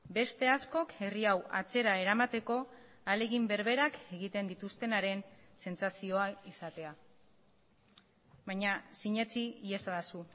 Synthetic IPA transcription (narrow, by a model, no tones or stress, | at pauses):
be̞st̪e̞asko̞ke̞riawat͡se̞ɾae̞ɾamat̪e̞ko̞ | ale̞ɣimbe̞ɾβe̞ɾake̞ɣit̪e̞nd̪it̪ust̪e̞naɾe̞n | se̞nt͡sasio̞aisat̪e̞a | βajɲasiɲe̞t͡siiesaðasu